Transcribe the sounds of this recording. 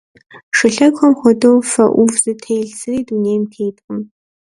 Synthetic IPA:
ʂɨɬɐkχɐmχʷɔdowfɐ̰ʔʷʊvzɨtʰejɮsɨriːduneːjmtʰeːtʼqʼəm

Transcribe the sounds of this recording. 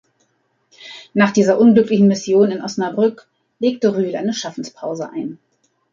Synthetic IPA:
naːχd̥iːzɐʔʊnɡlʏklɪçn̩mɪsjoːnɪnʔɔsnabʁʏk | leːktəʁyːlʔa̰ɪnəʃafn̩spʰaʊzəʔa̰ɪn

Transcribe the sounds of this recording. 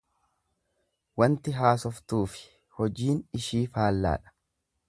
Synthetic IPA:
wɐnt̪ɪɦaːsɔft̪uːfɪ̥ | hɔd͡ʒiːnɪʃiːfaːlːa̰ːᶑɐ̥

